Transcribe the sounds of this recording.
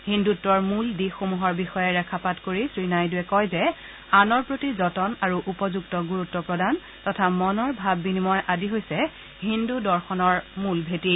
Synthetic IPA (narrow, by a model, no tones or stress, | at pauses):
hindutːɔɹmuldixomuɦɔɹbixɔjɛɹɛkʰapatkoɹisɹinajduɛkɔjzɛ | anɔɹpɹotizɔtɔnaɹuʔupɔzuɡtɔɡuɹutːɔpɹɔdan | tɔtʰamɔnɔɹbʱabːinimɔjʔadiɦojsɛ | ɦindudɔɹxɔnɔɹmulbʱeti